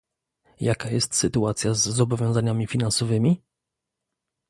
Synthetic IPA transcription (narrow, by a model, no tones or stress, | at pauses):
jakajɛst̪sɘt̪uat̪sʲjazːɔbɔvʲɔ̃w̃zaɲamʲifʲinãnsɔvɘmʲi